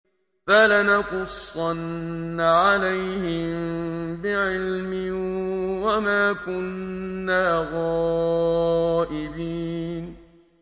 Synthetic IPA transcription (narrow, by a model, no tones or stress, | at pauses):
falanaqʊsˤːɑnːaʕalajhɪmbɪʕɪlmɪ | wamaːkʊnːaːɣɑː | ʔɪbiːn